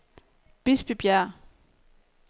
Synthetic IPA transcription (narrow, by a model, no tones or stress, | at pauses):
b̥isb̥ib̥jæ